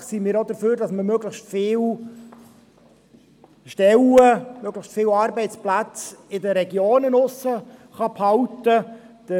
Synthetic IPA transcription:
siːmɪːɾod̪əɾføːɾdɑsməmøɡləʃtfɪːw | ʃtɛləmøɡləxʃtfɪːwɑːɾbɛɪtt͡splæt͡sɪdəɾɛɡjoːnɪnʊsəχɑphɑwtə | d̥ə

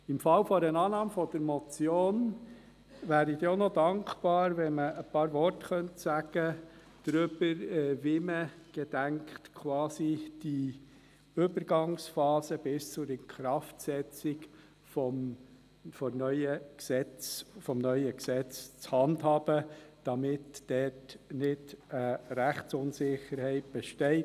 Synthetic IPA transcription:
ɪmfɑlfɔɾənɑːnɑːmfɔd̥əɾmɔt͡sjoːn | væːɾid̪eonɔd̪ɑŋkbɑːɾʋɛnməːpɑːɾvɔɾtχœntsæɡ̥ə | d̥ɾʏb̥əɾɛvɪməɡ̥ɛd̥æŋkχtkʰwɑːsid̥i | ʏbəɾɡɑŋsfɑːsəb̥ɪst͡sʊɾənkχɾɑftsɛt͡sɪk | fɔm | fɔnœʏəksɛt͡sfɔmnœʏəksɛt͡st͡shɑndhɑːb̥əd̥ɑmɪtd̥ɛtnɪtəɾæχsʊnsɪχəɾhɛɪt̚b̥ɛʃtɛɪ

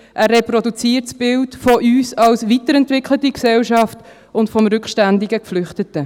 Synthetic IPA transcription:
ʔærːɛpɾɔdut͡siːəɾtsb̥ɪltfɔʔyːsɑlsʋitəɾɛntvɪkʰlətiksɛlʃɑft | ʊntfɔmɾʏkχʃtændiɡəkflʏχtətə

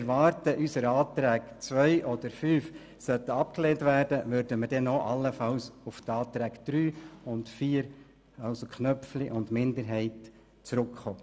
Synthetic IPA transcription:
ɛɾʋɑːɾtəʔysəɾɑːt̪ɾæːɡt͡sʋœʏʔɔd̪əɾfyːf | sœt̪ːəɑp̚kleːntʋæːɾdəʋʉɾdəməɾdɛnoʔɑlːəfɑwsʊft̪ɑːt̪ɾæːkd̪̥ɾyːʊntfiːəɾ | ɑʊsokχnœpfliʔʊndmɪndəɾɦɛɪt | t͡sɾʉkχoː

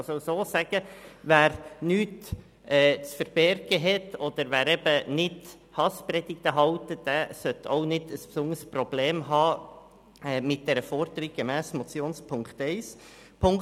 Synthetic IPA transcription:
soʊsoːsæɡ̥əvæːɾnyːt | ɛːt͡sfəɾb̥ɛɾɡ̥əɦɛtːɔd̪̥əɾʋæːɾɛb̥ənɪd | hɑspɾɛd̥̪ɪk̚təɦɑʊtəd̥æsœtoʊnɪdəspsʊndəɾsprɔb̥leːmɦɑː | ɛmɪt̚d̥ɛɾəfɔɾd̪əɾiɡemæːsmɔt͡sjoːnspʰʊŋkt̪ɛɪs | pʰʊŋ

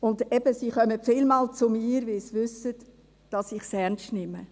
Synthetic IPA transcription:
ʊndɛbəsiːχœməfɪlmɑːlt͡sʊmiːɾʋɪlsiʋʏsət | d̥ɑsɪχsɛnstnɪmə

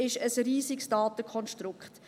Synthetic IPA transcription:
ɪʃəsɾiːzɪksd̥ɑːtəkʰɔnʃtɾʊkχt

